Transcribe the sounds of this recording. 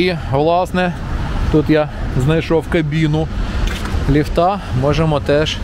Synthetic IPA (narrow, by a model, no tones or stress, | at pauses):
iʋlˠɑsnɛ | t̪ut̪jaznɐjʃɔwkɐbʲinʊ | lʲiwt̪ɑmɔʒɛmɔt̪ɛʃ